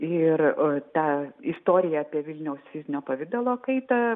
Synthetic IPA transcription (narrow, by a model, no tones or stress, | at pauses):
ɪrt̪ɑːɪst̪oːɾʲɪjɛɐpʲiɛʋʲɪlʲnʲɛʊsfʲɪzʲnʲoːpɐʋʲɪd̪ɐlˠoːkɐɪt̪ɐ